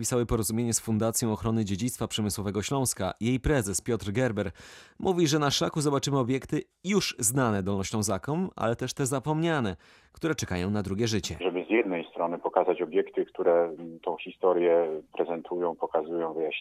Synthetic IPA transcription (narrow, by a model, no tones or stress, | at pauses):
pʲisawɘpɔɾɔzumʲjeɲɛsfund̪at̪sʲjɔ̃w̃ɔxɾɔnɘd͡ʑed͡ʑit̪st̪fapʂɛmɘswɔvɛɡɔɕlɔ̃w̃ska̰jejpɾɛzɛspʲjɔt̪ɾɡɛɾbɛɾmʔuvʲiʐɛnaʂlakuzɔbat͡ʂɘmɘɔbʲjɛkt̪ɘ | juʂznanɛd̪ɔlnɔɕnɔ̃w̃zakɔmʔa̰lɛt̪ɛʂt̪ɛzapɔmɲanɛ | kt̪uɾɛt͡ʂɛka̰jɔ̃w̃nad̪ɾuɡʲɛʐɘt͡ɕɛ̰ʐɛbɘzʲjɛd̪nɛjst̪ɾɔnɘpɔkazat͡ɕɔbʲjɛkt̪ɘkt̪uɾɛt̪ɔ̃w̃xʲist̪ɔɾjɛpɾɛzɛnt̪ʰujɔ̃w̃pɔkazujɔ̃w̃vɘja